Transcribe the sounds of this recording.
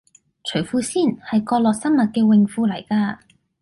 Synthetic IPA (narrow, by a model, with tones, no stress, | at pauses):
t͡ʃʰɵ˨˩ɥfuː˧siː˥˩nhɐ˨jkɔː˧lɔː˨k̚sɐ˥nmɐ˨t̚kɛː˧wɪ˨˩ŋfuː˧lɐ˨˩jkaː˧